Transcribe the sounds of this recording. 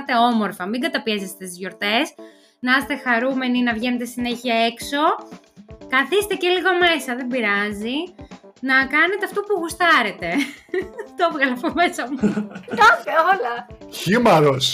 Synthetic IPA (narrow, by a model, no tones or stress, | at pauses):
t̪e̞o̞mo̞ɾfɐmiɡɐt̪ɐpiesest̪et̪izʝo̞ɾt̪e̞s | nɐɐset̪e̞xɐɾume̞ninɐvʝe̞net̪esine̞çiɐe̞kso̞ | kɐθist̪eceliɣo̞me̞sɐðembiɾɐzinɐkɐne̞t̪eɐft̪opuɣust̪ɐɾe̞t̪e̞ | t̪ovɣɐlɐpome̞sɐmut̪ofeolɐçimɐɾos